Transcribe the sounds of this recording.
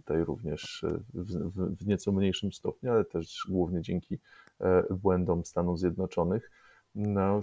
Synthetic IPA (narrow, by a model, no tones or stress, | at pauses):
t̪ajɾṵvɲɛʂvvvɲɛt̪sɔmɲejʂɘmst̪ɔpɲualɛt̪ɛʐɡwuvɲɛd͡ʑɛŋkʲi | bwɛnd̪ɔmfst̪anuvzʲjɛd̪nɔt͡ʂɔnɘx | na